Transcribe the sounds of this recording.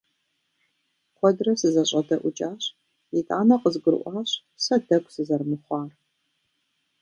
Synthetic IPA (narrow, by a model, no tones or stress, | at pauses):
qʷʰɔdrɐsɨzɐɕʼɐdɐʔʷʊt͡ʃʼaːɕ | jitʼa̰ːnɐqəzɡɨɾɨ̰ʔʷɑːɕ | sɐdɐkʷʰʼsɨzɐrmɨχʷɑːr